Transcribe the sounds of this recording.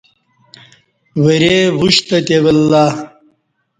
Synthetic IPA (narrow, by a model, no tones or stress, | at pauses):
wɐɾeʁuɕt̪ɐt̪ewɐlːaː